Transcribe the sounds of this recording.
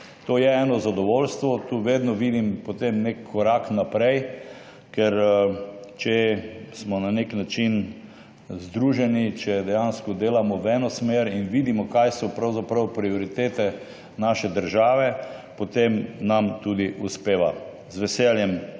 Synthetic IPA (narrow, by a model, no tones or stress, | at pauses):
t̪oːjɛɛːnɔzad̪ɔʋolst̪ʋɔt̪uːʋeːd̪nɔʋiːd̪impɔt̪emnekʰːɔɾaknapɾɛj | kɛɾ | t͡ʃɛsmɔnaneknat͡ʃin | zd̪ɾuʒɛnit͡ʃɛd̪ɛjanskɔd̪eːlamɔwɛnɔsmeːɾinʋiːd̪imɔkajsɔpɾawzapɾawpɾiɔɾit̪eːt̪ɛ | naːʃɛd̪əɾʒaːʋɛpɔt̪emnamt̪ud̪iʔuspeːʋa | zʋɛsɛljɛm